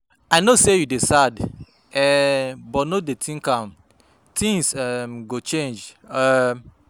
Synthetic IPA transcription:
aɪnosejudesad | ɛbɔtnodetʰĩŋkãm | tĩŋsɛɡot͡ʃẽnd͡ʒɛ

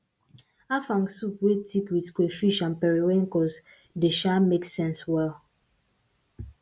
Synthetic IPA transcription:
afãŋsupwetʰikwitkwefiʃãnpɛɹiwẽŋkɔs | deʃameksɛ̃nswɛl

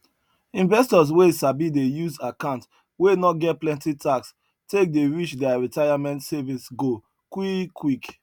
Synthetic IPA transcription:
ĩnvɛstɔz̬wesabidejuzakãʊ̃nt | wenɔtɡɛt̚plɛ̃ntitʰaks | tek̚deɹit͡ʃdɛaɹitaɪamɛ̃ntsɛvisɡo | kwikʰwik

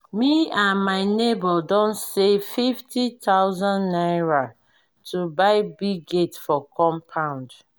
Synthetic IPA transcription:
miãnmaɪnebɔdɔ̃nsefiftitʰawzãnːaɪɹa | tʰubaɪbiɡetfɔkʰɔ̃mpʰãʊ̃nd

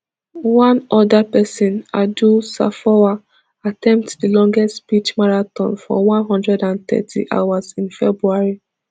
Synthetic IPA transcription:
wãnɔdapɛsɔ̃nadusa̰fɔwa | atɛ̃mp̚tdilɔ̃ŋɡɛstpit͡ʃmaɹatɔ̰̃nfɔ̰wãnɦɔ̃ndɹɛdãntɛ̰tʰḭʔa̰wazĩnfɛbɹuaɹi

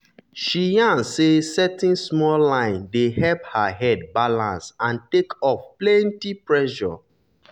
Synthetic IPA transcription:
ʃijãnsesɛtĩnsmɔllãɪ̃ndehɛphaɦɛd̚balãnsãntekɔfplɛ̃ntipɹɛʃɔ̰

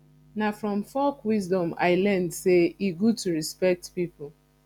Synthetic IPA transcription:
nafɾɔ̃mfɔkwizdɔ̃ma̰ɪlɛ̃ndseiɡutuɹispɛk̚tpipʊl

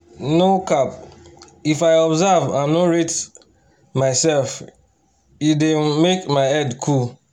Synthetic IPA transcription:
nokap | ifaɪɔbzavãmnoɹet | maɪsɛlf | idemekmaɪɛdkʰul

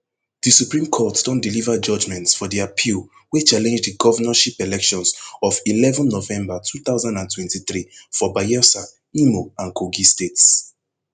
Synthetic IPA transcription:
ðisupɹĩmkʰɔtd̥ɔ̃ndilivad͡ʒɔd͡ʒmɛ̃ntsfɔðiapʰil | wet͡ʃalɛ̃nd͡ʒdəɡɔvənaʃipɛlɛkʃɔ̃nsɔvilɛvɔ̃nːovɛ̃mbatʰuθaʊzãndãntʰwɛ̃ntiθɹifɔbajɛsa | imoãnkʰoɡistets

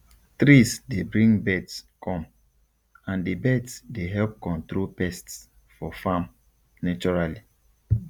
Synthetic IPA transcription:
tɾisdebɹĩŋbɛdskʰɔ̃m | ãndebɛdsdeɦɛlp̚kɔ̃ntɹopɛsts | fɔfãm | nat͡ʃɔɹali

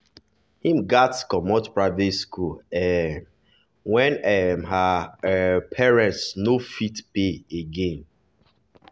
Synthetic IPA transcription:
hĩmɡatskɔmɔtpɹadeskulɛm | wɛ̃nɛmha | pʰɛɹɛ̃ntsnofitpeeɡẽn

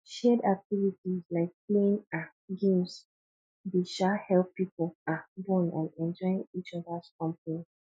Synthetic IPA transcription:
ʃɛdak̚tivitizlaɪk̚pleɪ̃ŋa | ɡẽms | deʃahɛlpːipolabɔ̃nɔ̰̃nɛ̃nd͡ʒɔɪĩŋit͡ʃɔdaskɔ̃mpəni

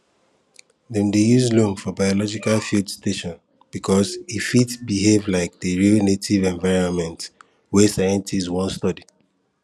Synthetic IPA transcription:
ðɛ̃ndejuzlõnfɔbaɔlɔd͡ʒikalfildsteʃɔ̃n | b̥ikʰɔzifitsbiɦevlaɪk̚dəɹilnetʰivɛ̃ɱvaɪɹɔ̃nmɛ̃nt | wɛsajɛ̃ntizwɔ̃nstɔdi

